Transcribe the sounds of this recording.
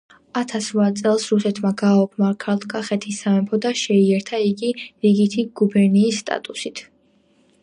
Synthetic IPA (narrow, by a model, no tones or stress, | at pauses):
at̪ʰasɾvat̪sʼɛlˠsɾusɛt̪ʰmaɡaɔpʰmaɾkʰalt̪ʰkʼaχɛt̪ʰisamɛmpʰɔd̪aʃɛiɛɾt̪ʰaiɡiɾiɡit̪ʰiɡ̥ubɛɾniːsːt̪ʼa̰t̪ʼusit̪ʰ